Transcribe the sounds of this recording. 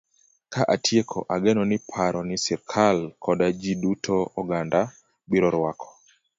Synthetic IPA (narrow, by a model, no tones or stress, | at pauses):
kaʔatʰjekʰɔʔaɡɛnɔnɪpʰaɾɔnɪsɪɾkʰalkʰɔdad͡ʒidutʰoɔɡanda | biɾɔɾwakʰɔ̥